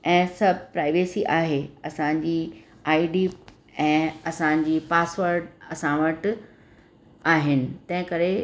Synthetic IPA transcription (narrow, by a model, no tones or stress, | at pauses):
ɛ̃ːsɐbʱɪpɾaːɪʋeːsiʔaːɦeɐsãɲd͡ʑiː | aːiɖiː | ɛ̃ːɐsãɲ̆d͡ʑiːpaːsʋəɾɖɐsãʋəʈ | aːɦɪnɪ̆t̪ɐ̃ɦɪ̃kɐɾe